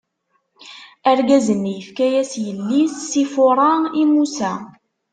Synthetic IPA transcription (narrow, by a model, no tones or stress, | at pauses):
æɾɡæzənːjəfkæjæsjəlːisːifʊɾˤɑimusæ